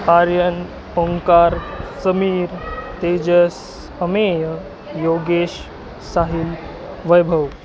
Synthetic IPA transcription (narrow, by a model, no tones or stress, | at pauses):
kaɾjən | oŋkaɾsəmiːɾt̪ed͡ʑəs | əmejə | joɡeɕ | saɦil | ʋəjbʱəʋ